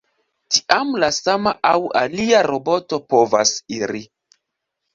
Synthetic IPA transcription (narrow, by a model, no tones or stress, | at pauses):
ti̥ʔamlasamaʔawaliaɾo̞bo̞to̞po̞va̰siɾi